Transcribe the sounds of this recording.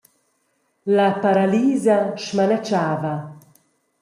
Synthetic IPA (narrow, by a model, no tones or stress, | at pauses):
lapaɾaliːzaʃmanat͡ʃaːva